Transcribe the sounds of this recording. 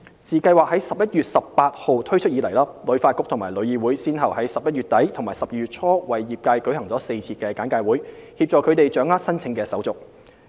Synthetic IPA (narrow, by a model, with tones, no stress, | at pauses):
siː˨kɐ˧jwaː˨˩k̚hɐ˨˥jsɐ˨p̚jɐ˥t̚jyː˨t̚sɐ˨ppaː˧t̚ho˨wt̪ʰɵ˥ɥt͡ʃʰɵ˥t̚iː˨˧lɐ˨˩jlaː˥lɵ˨˧˥ɥfaː˧tkʊ˥k̚t̪ʰʊ˨˩ŋmaː˨˩lɵ˨˧ɥjiː˨˧wuː˨˥jsiː˥nɦɐ˨˩whɐ˨˥jsɐ˨p̚jɐ˥t̚ɥyː˨˩t̪ɐ˨˥jt̪ʰʊ˨˩ŋmaː˨˩jsɐ˨p̚jiː˨˧jy˨t̚t͡sʰɔː˥wɐ˨jːiː˨˩p̚kaː˧jkɵ˨˥ɥhɐ˨˩ŋt͡sɔː˨˥se˧jt͡sʰiː˧kɛː˧kaː˨˥nkaː˧jwuː˨˥jhi˧p̚t͡sɔː˨˩kʰɵ˨˧ɥt̪e˨jt͡ʃœː˨˥ŋaː˥t̚sɐ˥nt͡sʰɪ˨˧˥ŋkɛː˧sɐ˨˥wt͡sʊ˨k̚